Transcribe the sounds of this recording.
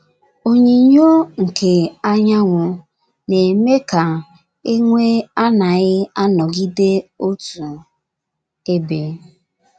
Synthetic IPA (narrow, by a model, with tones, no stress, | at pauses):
o˦ɲe˨ɲo˦ŋ̩˨ke˨a˦ɲa˦ŋʷʊ˨ | ne˨me˦ka˨ | e˦ŋʷe˦a˦na˨ɣɪ˦a˦nɔ˨ɡi˦de˦o˦tu˨ | e˦be˨